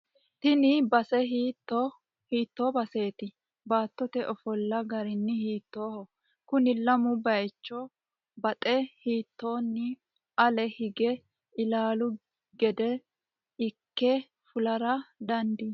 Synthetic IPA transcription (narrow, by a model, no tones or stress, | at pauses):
t̪ɪnɪbɐsɛɦiːt̪ːɔ | hiːt̪ːoːbɐse̞ːt̪ɪ | baːt̪ːɔt̪ɛʔɔfɔlːɐɡɐɾɪnːɪhiːt̪ːo̞ːhɔ | kʊnɪlɐmʊbɐjt͡ʃːɔ | bɐt̪ʼɛhiːt̪ːo̞ːnːɪ | ɐlɛhɪɡɛ | ɪlaːlʊ | ɡɛd̪ɛ | ɪkːɛ | fʊlɐɾɐd̪ɐnd̪ɪ